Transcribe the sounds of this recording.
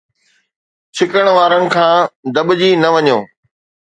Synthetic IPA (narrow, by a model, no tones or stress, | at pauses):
t͡ɕʰɪkəɽ̃ʋaːɾənɪ̆kʰãːd̪ɐɓd͡ʑinɐʋɐɲoː